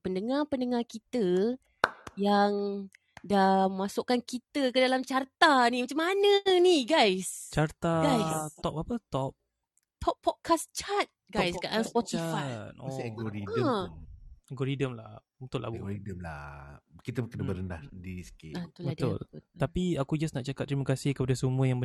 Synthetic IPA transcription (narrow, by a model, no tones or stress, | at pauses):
pəndəŋapəndəŋakit̪ə | jaŋ | damasʊkːankit̪əkədalamt͡ʃart̪animat͡ʃamːanə̃niɡajst͡ʃart̪aɡajt̪ɔp̚apət̪ɔp̚ | t̪ʰɔp̚pʰːɔd̚kʰast͡ʃat̪̚ɡajskaʔaspɔt̪ifajt̪̚ɔsaɡoɾiə | aɡɔɾidəmlah | ut̪ʊʔlʔa̰buɡɾidəmla̰kit̪əkənəbəɾənlahdiiskeat̪ulbəat̪ʊlut̪apiakud͡ʒasnaʔt͡ʃakat̪̚ːɾimakasihkəpadasəmũəjaŋbə